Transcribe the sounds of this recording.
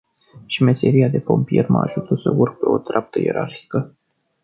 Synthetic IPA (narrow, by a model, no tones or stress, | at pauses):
ʃimeseɾiad̪e̞po̞mpijerma̰aʒut̪əsəurɡ̚peo̞t̪ɾap̚t̪əje̞̰ɾʔarçi̥kə